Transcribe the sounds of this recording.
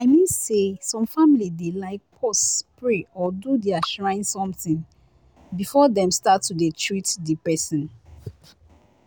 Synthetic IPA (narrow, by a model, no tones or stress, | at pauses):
aɪmĩnsesɔ̃mfamilidelaɪk̚pʰɔstpɹeɔdudeaʃɹãɪ̃nsɔ̃mθĩŋ | bifɔdɛ̃mstatːudetʰɹitdipɛsɔ̃n